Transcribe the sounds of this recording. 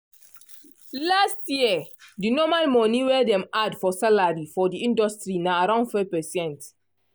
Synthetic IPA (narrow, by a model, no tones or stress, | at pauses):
lastjiədinɔmalmɔ̃niwɛdɛ̃madfɔsalaɹifɔdiĩndɔstɾinaaɾãʊ̃ndfɔpɛsɛ̃nt